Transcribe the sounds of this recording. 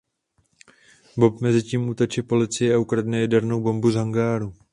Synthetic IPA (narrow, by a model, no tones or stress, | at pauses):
bopmɛzɪciːmut̪ot͡ʃɪpo̞lɪt͡sɪjɛaukɾadnɛjɛdɛɾnowbo̞mbuzɦaŋɡaːɾu